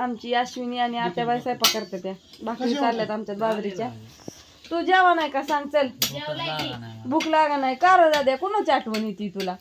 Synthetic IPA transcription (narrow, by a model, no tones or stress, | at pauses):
amt͡ɕiːaɕʋiniañiat̪jabajsajpəkəɾt̪et̪jabʱakɾit͡saɾljat̪amt͡ɕjad̪badɾit͡ɕja | t̪ud͡ʑaʋanajkasãŋɡt͡səl | ibuklaaɡanajkaɾəd̪ad̪jakuñət͡ɕaʈʋənit̪it̪ula